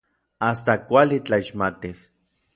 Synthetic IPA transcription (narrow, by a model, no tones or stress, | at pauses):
ast̪akʷalit͡ɬaiʃmat̪is